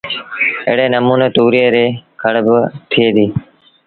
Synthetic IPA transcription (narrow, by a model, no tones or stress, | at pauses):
ḛːɽeːnəmuːneːt̪uːɾeːɾeːkʰəɽbt̪ʰɪeːd̪iː